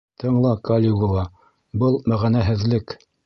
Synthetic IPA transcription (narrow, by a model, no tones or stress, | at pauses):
t̪ʰɤ̆ɴlˠɑkolʲiɡulˠɑ | bɤlˠmæʁænæɦɘ̆ðlɘk